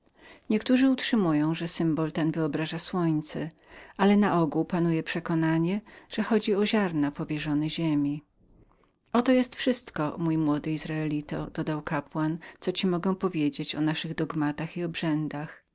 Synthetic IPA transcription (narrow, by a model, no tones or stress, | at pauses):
ɲɛkt̪uʐɘutʂɘmujɔ̃w̃ʐɛsɘmbɔlt̪ɛnvɘɔbɾaʐaswɔɲt̪sɛ | ʔalɛnaʔɔɡuwpanujɛpʂɛkɔnaɲɛʐ̥ɛxɔd͡ʑiɔʑaɾnapɔvʲjɛʐɔnɛʑemʲi | ɔt̪ɔjɛst̪fʂɘst̪kɔmujmwɔd̪ɘizɾaɛlʲit̪ɔ̰d̪̥ɔd̪awkapwant̪sɔt͡ɕimɔɡɛw̃pɔvʲjed͡ʑet͡ɕɔnaʂɘɣd̪ɔɡmat̪axiɔbʐɛnd̪ax